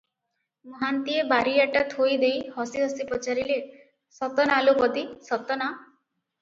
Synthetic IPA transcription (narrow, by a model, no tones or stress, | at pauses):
mɔɦant̪iebaɾiaʈat̪ʰojd̪ejhɔsiɦɔsipɔt͡ʃaɾile | sɔt̪ɔnalupɔd̪isɔt̪ɔna